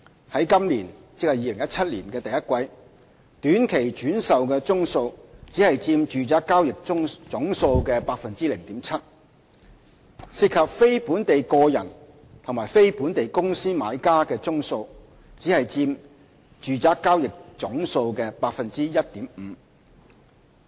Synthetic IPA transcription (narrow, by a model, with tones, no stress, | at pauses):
hɐ˨˥jkɐ˥mliː˨˩nt͡sɪ˨k̚hɐ˨˩jiː˨lɪ˨˩ŋjɐ˥t̚t͡sʰɐ˥t̚lḭː˨˩nkɛː˧t̪ɐ˨jɐ˥t̚kʷɐ˧j | t̪yː˨˥nkʰe˨˩jt͡ʃyː˨˥nsɐ˨wkɛː˧t͡sʊ˥ŋso˧wt͡siː˨˥hɐ˨jt͡siː˧mt͡ʃyː˨t͡saː˨˥kːaː˥wjɪ˨k̚ŋt͡sʊ˨˥ŋso˧wkɛː˧paː˧k̚fɐ˨nt͡siː˥lɪ˨˩ŋt̪iː˨˥mt͡sʰɐ˥t̚ | si˨˧t̚kʰɐ˨p̚fe˥jpuː˨˥nt̪e˨jkɔː˧jɐ̰˨˩n | t̪ʰʊ˨˩ŋmaː˨˩jfe˥jpuː˨˥nt̪e˨jkʊ˥ŋsiː˥ma̰ː˨˧jkaː˥kɛː˧t͡sʊ˥ŋso˧w | t͡siː˨˥hɐ˨jt͡siː˧m | t͡ʃyː˨˩t͡saː˥kːaː˥wjɪ˨k̚t͡sʊ˨˥ŋso˧wkɛː˧paː˧k̚fɐ˨nt͡siː˥jɐ˥t̚t̪iː˨˥m̩˨˩˧